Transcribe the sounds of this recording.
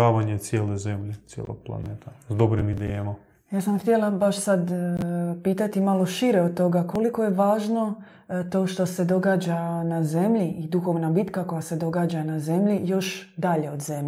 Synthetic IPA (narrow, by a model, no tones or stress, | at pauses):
aːʋaɲet̪sjeːlezemʎet̪jḛlo̰ɡ̥̚plˠa̰nḛːt̪ʰazd̪obɾimid̪ejema | jaːsamxt̪jelabaʃsad̪ | piːt̪at̪imalˠo̞ʃiɾeod̪̚t̪ːo̞ɡako̞liko̞jeʋaːʒno̞ | t̪o̞ːʃt̪o̞se̞d̪o̞ɡaːd͡ʒanaze̞mʎiʔid̪uxo̞ʋnabit̪kako̞jase̞d̪o̞ɡaːd͡ʒanaze̞mʎijo̞ʃd̪aʎe̞o̞d̪ze̞m